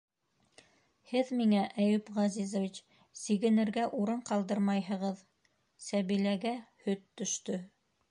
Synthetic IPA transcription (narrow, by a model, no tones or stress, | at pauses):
hɘðmiŋæʔæjɵpʁɑzizŏvit͡ɕ | siɡɘ̆nɘ̆ɾɡæʔuɾɤɴqɑlˠd̪ɤɾmɑjɦɤ̆ʁɤð | sæβilæɡæhɵt̪ːɵ̆ʃt̪ɵ